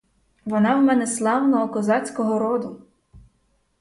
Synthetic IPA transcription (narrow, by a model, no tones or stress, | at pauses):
ʋɔnɑwmɛnɛslˠɑwnɔɦɔkɔzɑt͡sʲkɔɦɔɾɔd̪ʊ